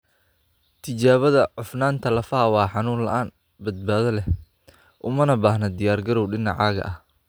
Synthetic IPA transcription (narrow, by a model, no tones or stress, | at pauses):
t̪ʰɪt͡ʃaːβɐðɐʕʊfnaːnt̪ʰɐlɐfɐːwɑːħɑnuːnlɐ̰ʔaːn | bɐd̪̚baːðɐlɛh | ʔʊmɐnɐbaːhnɐd̪ɪjaːrɡɐɾɔwɖɪnɑ̰ʕɑːɣɐ̰ʔɐh